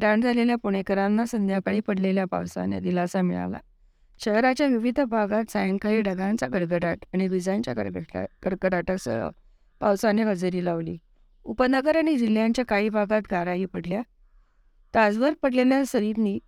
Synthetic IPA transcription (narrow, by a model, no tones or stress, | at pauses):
ɖãɳd͡zʱaleljapuɽ̃ekəɾãnːasənd̪jakəɽiːpəɽleljapa̰wsa̰nḛd̪ilasamiɭa̰la̰ | ɕəɦɾat͡ɕjaʋiʋid̪ʱəbʱaɡat̪sajəŋkaɭiɖəɡãnt͡saɡəɽɡəʈaʈaɽ̃iʋid͡zãnt͡ɕja̰kəkəɾkəʈaʈəksə̰ | pawsaneɦəd͡zəɾiːlaʋlḭː | upənəɡəɾaɽ̃id͡ʑil̤jãɲt͡ɕjakaɭiːbʱaɡat̪ɡʱaɾaɦiːpəɽlja | t̪ad͡zʋəɾpəɽleljasəɾiɾniː